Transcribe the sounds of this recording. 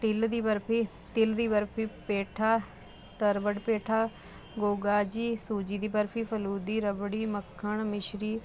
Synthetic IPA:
ʈɪld̪iːbəɾpʰiː | t̪ɪld̪iːbəɾpʰiːpeːʈʰaː | t̪əɾʋəɖpeːʈʰaː | ɡoːɡaːd͡ʒiːsuːd͡ʒiːd̪iːbəɾpʰiːpʰəluːd̪iːɾəbɽiːməkʰːəɳmɪʃɾiː

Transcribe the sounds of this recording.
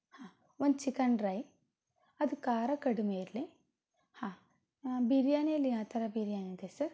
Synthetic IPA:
haː | ond̪t͡ʃikɐɳɖɾɐj | ɐd̪ukaːɾɐkɐɽumeiɾli | hãː | biɾijaːneliãːt̪ɐɾɐbiɾjaːnet̪esɐɾ

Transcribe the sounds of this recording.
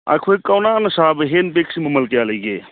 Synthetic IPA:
a̰kʰoekːɐwnaːnɐsaːbɦeːnpeksimɐmɐlkjaːlɐɡeː

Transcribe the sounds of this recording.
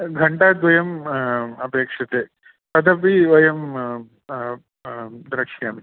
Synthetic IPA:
ɡʱɐɳɖaːd̪ʋɐjɐmɐbeːkʂɐt̪ːe | pɐd̪ɐpiʋɐjɐm | d̪ɾɐkʂijaːmi

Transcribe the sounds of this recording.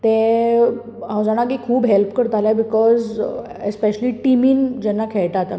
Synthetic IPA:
t̪ẽ | ãwd͡zaɽ̃akikʰuːbɦelpkəɾt̪alabikɔz | espeɕəliʈimiːnd͡ʑɛnːakʰɛɭʈ̪at̪a

